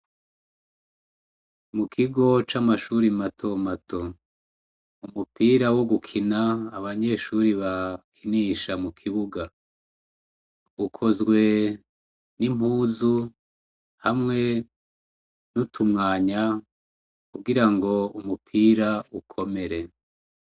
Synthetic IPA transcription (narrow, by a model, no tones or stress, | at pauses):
mukʰiɡo̞t͡ʃamaʃuɾimatʰo̞matʰo̞ | umupiːɾawo̞ɡukʰinaːβaɲe̞ʃuːɾiβakʰiniːʃamukʰiβuɡa | ukʰo̞zɡwe̞ | nim̥huːzu | hamŋe̞ | nutʰumŋaːɲa | kuɡiɾaŋɡo̞umupʰiːɾaukʰo̞me̞ɾe̞